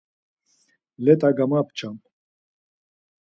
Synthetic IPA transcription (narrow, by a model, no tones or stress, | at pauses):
lɛt̪ʼaɡamapt͡ʃʰam